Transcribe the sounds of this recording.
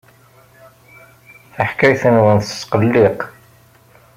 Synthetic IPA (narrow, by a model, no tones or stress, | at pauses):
θəħkæjθənwənθsqəlːiq